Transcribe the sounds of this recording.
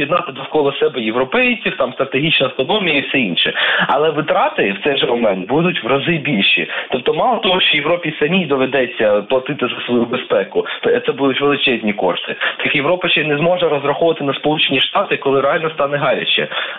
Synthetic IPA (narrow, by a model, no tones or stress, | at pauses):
jid̪nɑt̪ɪd̪ɔwkɔlˠɔsɛbɛjeʋɾɔpɛjt͡sʲiwt̪ɑmst̪ɾɐt̪eɦʲit͡ʃnɐɐwt̪ɔnɔmʲijɐifsɛinʃɛɐ̰lˠɛʋɪt̪ɾɑt̪ɪwt̪sɛjʒɛmɔmɛnt̪bud̪ʊtʲʋrɐzɪbʲilʲʃḭt̪ɔp̚t̪ɔmɑlˠɔt̪ɔɦɔʃt͡ʃɔjeʋɾɔpʲisɐmʲijd̪ɔʋed̪ɛt͡sʲːɐplˠɐt̪ɪt̪ɪzɐsʋɔjubespɛkʊt̪ɛt̪sɛbud̪ʊtʲʋelˠɪt͡ʃɛzʲnʲikɔ̰ʃt̪ɪ̰t̪kjeʋɾɔpɐʃt͡ʃɛnɛzmɔʒɛɾɔzɾɐxɔʋɐt̪ɪnɐspɔlˠut͡ʃenʲiʂt̪ɑt̪ɪkɔlˠɪɾeɑlʲnɔst̪ɑnɛɦɑɾʲɐ̰t͡ʃʲɛ̰